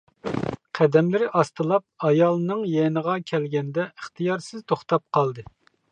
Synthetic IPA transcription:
qʰæd̪ɛmlɪɾɪʔɑst̪ɨlˠɑp̚ɑjɑlˠnɨŋjɛnəʁɑkʲʰɛlɡʲɛnd̪ɛəχt̪ʰɨjɑɾsɪzt̪ʰoχt̪ɑp̚qʰɑlˠd̪ɨ

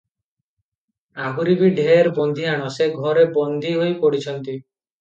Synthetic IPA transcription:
aɦuɾibiɖʱeeɾbɔnd̪ʱiaɽ̃ɔseɡʱɔɾebɔnd̪ʱiɦojpoɽit͡ʃʰɔnt̪i

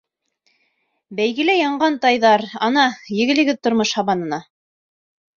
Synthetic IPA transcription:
bæjɡɘ̆læjɑɴɢɑnt̪ɑjðɑɾɑnɑjɘ̆ɡɘ̆lɘ̆ɡɘðt̪ŏɾmoʃhɑβɑnɤ̆nɑ

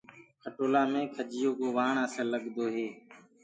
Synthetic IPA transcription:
kʰəʈoːlaːmẽːkʰəd͡ʒɪjoːkoːʋaːɳãːsəlːəɠd̪oːɦeː

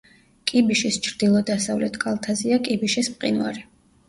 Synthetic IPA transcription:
kʼibiʃist͡ʃʰɾd̪ilˠɔd̪asavlɛt̪ʰkʼalˠt̪ʰaziakʼibiʃispqʼḭnva̰ɾi

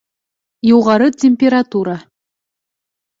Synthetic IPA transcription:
juʁɑɾətʲemʲpʲeɾat̪uɾa

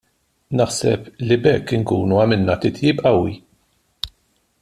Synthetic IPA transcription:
nɐħsɛplibɛkːɪŋkuːnuɐmɪlnɐt̪ɪt̪jiːpɐwːi

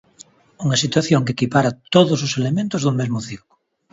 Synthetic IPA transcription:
uŋɐsit̪waθjoŋkekipaɾat̪oðʊs̬oselemẽnt̪ʊzðumezmʊθiɾko̥

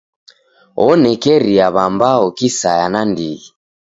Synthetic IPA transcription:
ɔnɛkɛɾiaβambaɔkisajanandiɣi

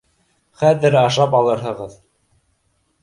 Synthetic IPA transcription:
χæðɘɾɑʃɑpɑlˠɤ̆ɾɦɤ̆ʁɤð

